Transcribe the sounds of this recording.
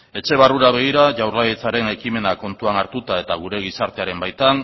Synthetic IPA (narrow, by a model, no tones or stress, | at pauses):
e̞t͡ʃe̞β̞aruɾaβe̞ɣ̞iɾaʝawrlaje̞t͡saɾe̞ne̞kime̞nako̞nt̪uanaɾt̪ut̪ae̞t̪aɣ̞uɾe̞ɣ̞isaɾt̪e̞aɾe̞mbajt̪an